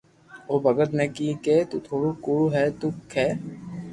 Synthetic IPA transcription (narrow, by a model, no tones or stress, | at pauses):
oːbʱɐɡət̪nekiket̪uːt̪ʰoːɽukuːɽuɦɛːt̪ukʰːɛː